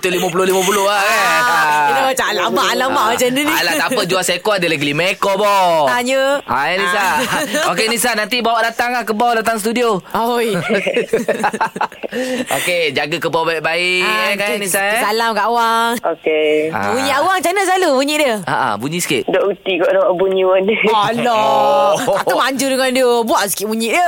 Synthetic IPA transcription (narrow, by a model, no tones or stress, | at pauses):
t̪uliməp̬uloliməp̬uloɦaka | at͡ʃalamaʔlamaʔmat͡ʃaninlat̪apəd͡ʒuasekɔʔdilaɡiliməekɔbɔt̪aɲəa̰ɛnisaokenisanant̪̬ibawaʔdat̪aŋlahkəbawdat̪̬aŋs̬t̪udiooj | ʔo̰ked͡ʒaɡəkəbabaiʔbaiʔʔakanisasalamkaʔwaŋokea̰buɲiʔawaŋt͡ʃanaslalubuɲiʔdiəa̰ʔa̰buɲisi̥kḭʔdɔʔut̪iɡɔʔnɔwaʔbuɲiənalɔ | atamaɲd͡ʒudəŋandiəbuaʔsi̥kiʔmuɲiʔdiə